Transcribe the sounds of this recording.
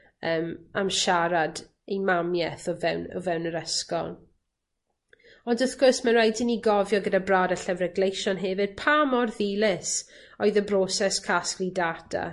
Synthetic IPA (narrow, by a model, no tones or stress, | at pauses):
əːmamʃaɾad | ejmamjɛθɔvɛwnɔ̰vɛwnəɾəskɔ̰lˠ | ɔndəθɡ̥ʊrsməɾajdɪniɡɔvjɔɡədabradəɬɛvrɛɡlejʃɔnɦɛvɨd̥̚pʰamɔrðiːlˠɪsɔɨðəbrosɛskʰasklidadʰa̰